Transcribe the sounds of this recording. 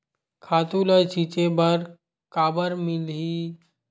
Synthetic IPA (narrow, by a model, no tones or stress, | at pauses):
kʰaːt̪ulat͡ʃit͡ʃebəɾ | kaːbəɾmɪlɦi